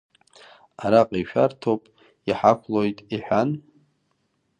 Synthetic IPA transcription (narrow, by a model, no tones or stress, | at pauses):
aɾaqʼiʃᶣartʰopʼ | iħakʷʰlojtʼiħᶣan